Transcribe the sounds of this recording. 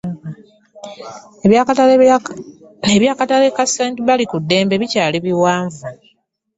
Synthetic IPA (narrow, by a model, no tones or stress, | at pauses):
aa | eβjaːkatale̞kaseːntiβalikudːe̞ːmbe̞βicaːliβiwaːɱvu